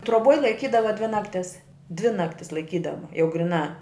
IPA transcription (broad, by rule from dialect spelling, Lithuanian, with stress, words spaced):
troːˈboːj lˠɐɪˈkʲiːdɐʋɐ dʲʋʲɪ nɐkˈtʲɪs dʲʋʲɪ ˈnɑːktʲɪs lˠɐɪˈkʲiːdɐʋɐ jɛʊ ɡrʲɪˈnɑː